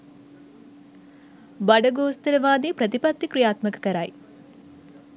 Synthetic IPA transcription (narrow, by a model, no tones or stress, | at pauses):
bɐɖɐɡoːst̪ɐlɐʋaːd̪iːpɾɐt̪ipɐt̪ːikɾijaːt̪mɐkɐ̥kɐɾaːj